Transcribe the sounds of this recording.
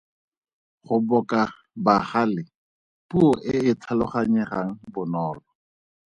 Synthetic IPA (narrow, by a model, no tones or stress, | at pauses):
χʊbɔkʼa | baχalɪ | puɔʔɪɪtʰalʊχaɲɛχaŋ̩bʊnɔːlɔ